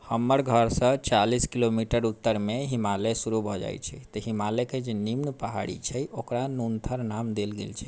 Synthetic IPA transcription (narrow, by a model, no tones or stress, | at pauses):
həmːəɾɡʱəɾsə̃t͡ʃaliskilomiʈəɾut̪ːəɾmeɦimalɛsuɾubʱɔd͡ʒa̰jt͡ʃʰɛt̪əɦimalɛked͡ʒenimnəpəɦaɽḭt͡ʃʰɛʔokɾanunt̪ʰəɾnamd̪elɡḛlt͡ʃʰɛ